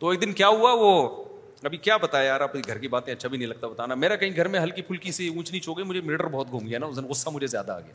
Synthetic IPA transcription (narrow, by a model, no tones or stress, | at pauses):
t̪oeːk̚d̪ɪnkjaːɦuaʋo | ɐbʱikjaːbɐt̪aejaːɾapɾiɡʱɐɾkibaːt̪ẽɐtːʃʰabʱinɐɦĩlɐɡ̚t̪abɐt̪aːnameːɾakɐɦĩɡʱɐɾmẽɦɐlkipʰʊlkiseũːt͡ʃnit͡ʃoːɡəimʊd͡ʒʱemɪʈəɾbɔɦːt̪̚ɡʱũːmɡianaʊsɪnɣʊsːamʊd͡ʒʱezja̰ːd̪a̰ːɡɐja̰ː